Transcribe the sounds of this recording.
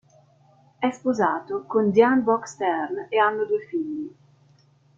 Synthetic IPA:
ɛspozaːt̪okond̪janbɔkst̪ɛɾneanːod̪ufiʎːi

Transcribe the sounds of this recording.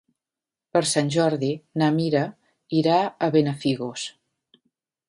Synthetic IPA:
pəɾsanʲʒɔɾðinamiɾə | iɾaəβenəfiɣos

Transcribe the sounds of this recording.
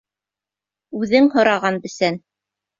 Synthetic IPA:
ʉðɘŋhŏɾɑʁɑnbɘ̆sæn

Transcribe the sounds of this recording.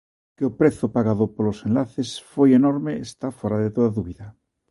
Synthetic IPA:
keopɾeθopaɣaðopolosenlaθesfojenoɾmeest̪afoɾaðet̪oðaðuβiða

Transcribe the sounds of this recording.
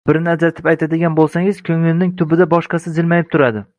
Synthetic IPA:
b̥ɪɾɪnɪad͡ʒat̪ʰɪpajt̪ʰad̪ɪɡʲanbolˠsaŋɪz̥kʲʰɵŋɪlɪnɪŋt̪ʰʊbɪd̪abɒʃqɑsɪzɪlmajɪp̚t̪ʰʊɾad̪ɪ

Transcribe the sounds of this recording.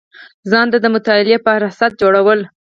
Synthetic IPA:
zɑnd̪ad̪əmʊt̪ɑɪlepəɾɑsat̪̚d͡ʒoɽawəl

